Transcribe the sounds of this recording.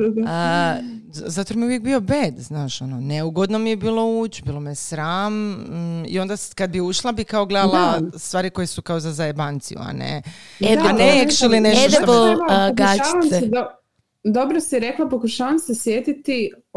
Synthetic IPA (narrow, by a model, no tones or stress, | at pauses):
zat̪oɾmijuʋjek̚bio̞beːd̪znaːʃo̞noneuɡod̪nomijebiːlˠo̞uːt͡ɕbiːlˠomiesɾaːm | ḭo̞nd̪akad̪̚biuʃlˠabikaoɡle̞d̪alˠast̪ʋaːɾiko̞jesukaozazajebant̪sḭjṵa̰nḛed̪anekʃilineʃeoeokɡaamd̪o | d̪obɾosiɾeklˠapokuʃaːʋamsesjet̪it̪i